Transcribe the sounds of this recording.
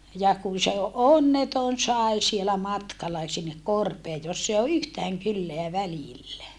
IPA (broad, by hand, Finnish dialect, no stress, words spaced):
jɑ kun̞ se onːeton sɑˑi̯ sielæ mɑtkɑlɑ sinːek korpeː josː e o yhtæːŋ kylːeæ ʋælilːæ